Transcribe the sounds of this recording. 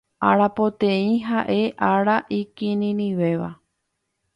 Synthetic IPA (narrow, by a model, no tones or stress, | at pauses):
aɾapot̪ẽĩɦaʔe̞ʔaɾaʔikĩnĩnĩʋe̞ʋa̰